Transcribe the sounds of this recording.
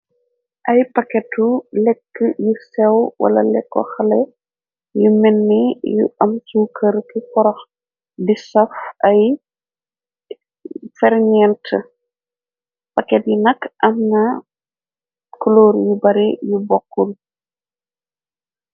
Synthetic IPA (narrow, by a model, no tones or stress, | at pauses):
ʔɐjpɐkɛtulɛkːəjusɛwwʔɐ̰lɐ̰lɛkːɔ̰xɐlɛ | jumɛnːijṵɐmsuːkəɾkikɔɾɔx | disɐfʔɐj | fɛɾɲɛntʰə | pakɛt̚jinɐkʔɐmnɐ | kɔlɔːɾjubɐɾijubɔkːul